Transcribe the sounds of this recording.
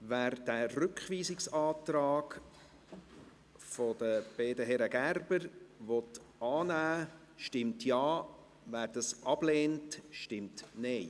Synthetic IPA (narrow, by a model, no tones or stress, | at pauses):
væːɾd̥æːɾrʏkχʋiːsɪksɑːtɾɑːɡ | fɔd̥̪əb̥eːdəɦɛɾəɡærb̥əɾʋɔt | ɑːnæː | ʃtɪmtjɑː | ʋæːɾd̥̪ɑsʔɑb̥leːntʃtɪmtnɛɪ